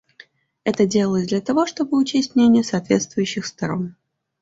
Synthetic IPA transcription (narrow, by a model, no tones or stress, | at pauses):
ɛt̪ədʲelˠələzʲd̪lʲɐt̪ɐvo̞ʂt̪o̞bɨʊt͡ɕesʲtʲnʲenʲɪjəsɐːt̪vʲḛt̪st̪vʊjʉɕːɪxst̪ɐɾo̞̰n